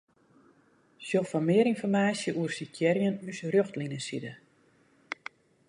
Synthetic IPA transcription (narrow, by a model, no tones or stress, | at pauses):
sjofɔnmɪəɾinfɔrmaːsjəʔuərsikjɛɾjənysrøxtlinəsidə